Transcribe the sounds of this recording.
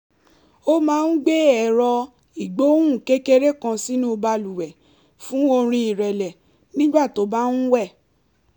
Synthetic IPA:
o˦mãː˨˦n̩˦ɡ͡be˦ɛ˨ɾɔ˧ | i˨ɡ͡bo˨˦ũ˦˨ke˦ke˦ɾe˦kã˧si˦nũ˦o˧ba˧lu˨wɛ˨ | fũ˦o˧ɾ̃ĩ˧i˨ɾɛ˨lɛ˨ | nĩ˦ɡ͡ba˦˨to˨˦ba˦ñ̩˦wɛ˦˨

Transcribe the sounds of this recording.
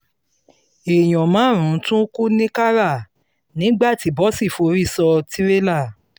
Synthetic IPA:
e˨j̃ɔ̃˨mã˨˦˨ɾ̃ũ˨˦tũ˦ku˦nĩ˦ka˦ɾa˦˨ | nĩ˨˦ɡ͡ba˦˨ti˨˦bɔ˦si˦˨fo˨˧˦ɾi˦˨sɔ˧ti˦ɾe˦la˦˨

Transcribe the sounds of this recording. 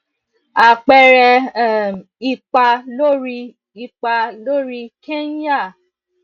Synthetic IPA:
a˨k͡pɛ˧ɾɛ˧˨ | i˧k͡pa˧lo˦ɾi˧ | i˧k͡pa˧lo˦ɾi˧ke˦ja˦˨

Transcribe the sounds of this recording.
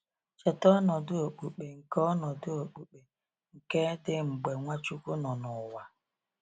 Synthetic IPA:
t͡ʃɔ˨tɔ˦nɔ˨dʊ˦o˨k͡pu˨k͡pe˨ŋ̩˨kɔ˦nɔ˨dʊ˦o˨k͡pu˨k͡pe˨ | ŋ̩˨ke˦dɪ˦ŋ͡m̩˨ɡ͡be˨ŋʷa˦t͡ʃu˦ku˦nɔ˨nʊ˨wa˨

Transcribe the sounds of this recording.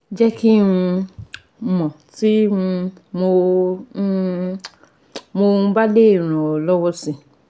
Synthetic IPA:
d͡ʒɛ˦ki˦ũ˧˦ | mɔ̃˨ti˦ũ˧mo˧˦ | mõ˧˦ba˦de˦˨ɾ̃ɔ̃˨ɔ˨lɔ˦wɔ˦sĩ˨

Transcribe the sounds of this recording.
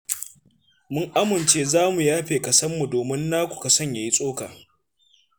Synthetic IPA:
mʊ˦ŋʔa˦mɪ˨nt͡ʃeː˦zaː˦mu˨jaː˦ɸeː˨kɐ˨sɐ˦mːu˨doː˨mɪ˦nːaː˦kʷu̥˨ka˨sɐ˦ɲja˨ji˦sʼoː˦kaː˨

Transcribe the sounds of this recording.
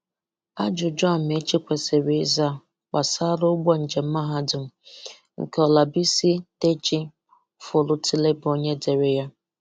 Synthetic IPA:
a˦d͡ʒʊ˨d͡ʒɔ˦˨m̩e˦t͡ʃi˦kʷe˨se˨ɾe˨˦za˦ | k͡pa˨sa˦ɾʊ˦ʊ˦ɡ͡bɔ˦n̩˨d͡ʒe˨m̩˦ma˦ɦa˦dʊ˨m̩˨ | ŋ̩̰˨ke˨ɔ˨la˨bi˦si˦te˦t͡ʃi˦ | fʊ˨lʊ˦ti˦le˦bo˨ɲe˦de˨ɾe˦ja˦

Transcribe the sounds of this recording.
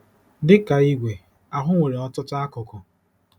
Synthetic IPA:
dɪ˦ka˨i˦ɡʷe˨ | a˨ɦʊ˦ŋʷe˨ɾe˨ɔ˦tʊ˦ta˦kʊ˨kɔ˨

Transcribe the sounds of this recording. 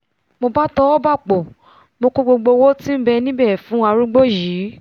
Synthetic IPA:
mo˧ba˦tɔ˦ɔ˦ba˦˨k͡po˨ | mo˧ko˦ɡ͡bo˧ɡ͡bo˧wo˦ti˦m̩˦bɛ˧nĩ˦bɛ˦˨fũ˨˦a˧ɾu˦ɡ͡bo˦˨ji˨˦

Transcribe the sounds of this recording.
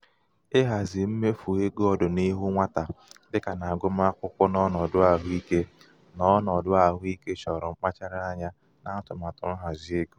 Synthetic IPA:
ɪ˦ɦa˨zɪ˨m̩˦me˦fu˨e˦ɡɔ˦dʊ˨ni˦ɦu˦ŋʷa˦ta˨dɪ˦ka˨na˨a˨ɡʊ˦m˦a˦kʷʊ˦kʷʊ˦nɔ˦nɔ˨dʊ˦a˨ɦi˦ke˦ | nɔ˦nɔ˨dʊ˦a˨ɦʊ˦i˦ke˦t͡ʃɔ˨ɾɔ˨ŋ͡m̩˦k͡pa˦t͡ʃa˦ɾa˦a˦ɲa˦ | na˨n̩˦tʊ˨ma˨tʊ˨n̩˦ɦa˨zɪ˨˦e˦ɡu˦

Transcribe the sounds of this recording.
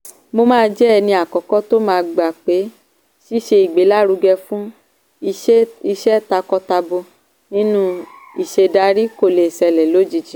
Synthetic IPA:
mo˧mãː˦d͡ʒɛ˦˧nĩ˧a˨kɔ˨˦kɔ˦to˦mãː˧ɡ͡ba˨k͡pe˨˦ | ʃi˦ʃe˧i˨ɡ͡be˨˦la˦ɾu˧˦ɡɛ˧fũ˦˧˦ | i˧ʃɛ˦ta˧kɔ˦ta˧bo˧ | nĩ˦nũ˦ | i˨ʃe˧da˧˦ɾi˦ko˦˨le˨sɛ˧lɛ˨lo˨˦d͡ʒi˨d͡ʒĩ˨

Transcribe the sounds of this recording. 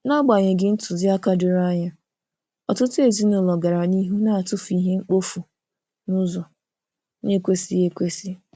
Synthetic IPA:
na˦ɡ͡ba˨ɲɪ˨ɡɪ˦n̩˦tʊ˨zɪ˦a˦ka˦dʊ˨ɾa˦ɲa˦ | ɔ˨tʊ˦tʊ˦e˨zi˦nʊ˨lɔ˨ɡa˨ɾa˨ni˦ɦu˦na˦a˨tʊ˦fi˦ɦe˦ŋ͡m̩˦k͡po˦fu˨ | nʊ˦zɔ˨ | ɲe˦kʷe˦si˦e˦kʷe˦si˦

